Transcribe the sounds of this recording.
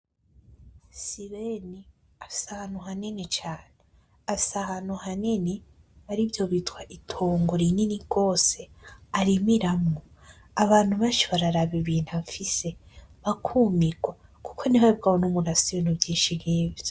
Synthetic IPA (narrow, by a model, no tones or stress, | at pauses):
siβeni | afi̥sahanuɦaninet͡ʃaːne | afisahanuhanine | βaɾivjo̞βitkwaʔitʰoːŋɡoɾininiɡ̥o̞ːse̞aɾimiɾamŋo | aβaːn̥huβat͡ʃoβaɾaɾaβiβiːnhaɱfise̞βakʰumiɡwa | ku̥kʰo̞niβaib̚ɡawonumunasienubjiːnʃinɡiːvḁ